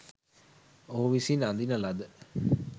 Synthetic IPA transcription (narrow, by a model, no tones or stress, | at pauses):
oɦuʋisinand̪inəlad̪ə